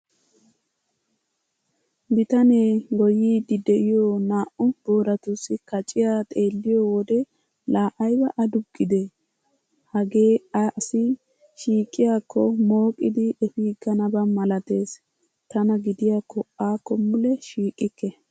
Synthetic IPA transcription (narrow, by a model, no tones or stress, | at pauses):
bɪt̪ɐneːɡɔjiːd̪ɪd̪ɛʔɪjonaːʔʊb̥o̞ːɾɐt̪ʊsːɪkɐt͡ʃʼɪjaːt̪ʼe̞ːlːɪjɔwɔd̪ɛ | laːʔɐjbɐʔɐd̪ʊɡːɪd̪e | hɐɡe̞ːaʔsɪ | ʃiːkʼːɪjaːkʰːɔmo̞ːkʼɪd̪ɪɛfiːɡɐnɐbɐmɐlɐt̪e̞ːs | t̪ɐnɐɡɪd̪ɪjaːkːɔʔaːkːɔmːʊlɛʃiːkʼːɪkːɛ